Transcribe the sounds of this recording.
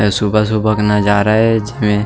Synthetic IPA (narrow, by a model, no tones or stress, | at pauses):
subʱəs̬ubʱəknad͡ʒaːɾaɦɛd͡ʒɪmẽ